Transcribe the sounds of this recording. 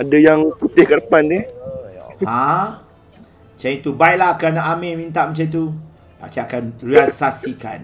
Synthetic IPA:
adajaŋput̪ɪhkədəpand̪ih | hã | mət͡ʃanit̪ubajlaɦakanaʔamemĩnt̪aʔmət͡ʃait̪̬u | pa̰t͡ʃaakanrialisasika̰n

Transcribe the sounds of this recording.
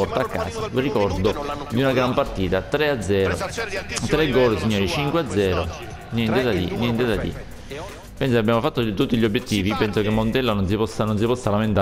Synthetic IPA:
ɔrt̪aːkːa̰ːsalrikɔrd̪od̪iunaɡɾampart̪iːt̪at̪ɾead̪zɛːɾo̰t̪ːɾeɡːɔːlesiɲːoːɾit͡ʃiŋkwead̪zːɛːɾo | njɛnt̪ed̪ad̪ḭnjɛnt̪ed̪ad̪ḭ | pɛns̬okeabjaːmofat̪ːot̪ut̪ːiʎiobːjet̪ːiːvipɛnsokemːont̪ɛlːanons̬ipɔsːanons̬ipɔsːalament̪a

